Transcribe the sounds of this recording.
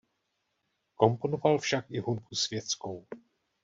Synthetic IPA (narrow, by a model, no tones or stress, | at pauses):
ko̞mpo̞novalfʃakɪɦunbusvjɛt͡skow